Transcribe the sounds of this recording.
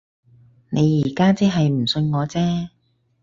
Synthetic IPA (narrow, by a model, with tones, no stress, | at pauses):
nʔe˨˧jːiː˨˩kaː˥t͡siː˥ɦɐ˨jm̩˨˩sɵ˧nŋɔː˨˧t͡sɛː˥